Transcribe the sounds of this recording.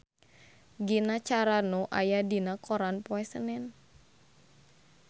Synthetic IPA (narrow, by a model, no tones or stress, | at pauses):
ɡinat͡ʃaɾanoʔajadinakɔɾanpɔɛsənɛn